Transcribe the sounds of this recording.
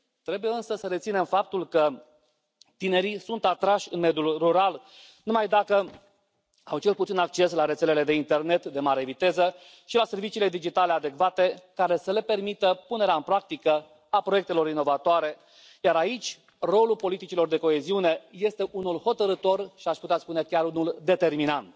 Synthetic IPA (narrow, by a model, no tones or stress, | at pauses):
t̪ɾe̞buje̞ɨnsəsəɾet̪sine̞mfap̚t̪ulkə | t̪ine̞ɾisunt̪at̪ɾaʃʲɨnme̞d̪julruɾal | numajd̪akə | a̰wt͡ʃe̞lput̪sinakt͡ʃe̞slaɾet̪se̞le̞le̞d̪e̞int̪e̞rne̞t̪d̪e̞maɾe̞vit̪e̞zə | ʃilase̞rvit͡ʃiːle̞d̪id͡ʒit̪ale̞ad̪e̞kvat̪e̞kaɾe̞səle̞pe̞rmit̪əpune̞ɾeaɨnpɾak̚t̪ikə | apɾo̞je̞k̚t̪elo̞ɾinːo̞vat̪oaɾe̞ | jaɾait͡ʃʲ | ro̞lulpo̞lit̪it͡ʃilo̞rd̪e̞ko̞e̞ziune̞je̞st̪e̞ʔunulho̞t̪əɾɨt̪o̞rʃiaʃput̪eat̪spune̞kʲaɾunuld̪e̞t̪e̞rminant̪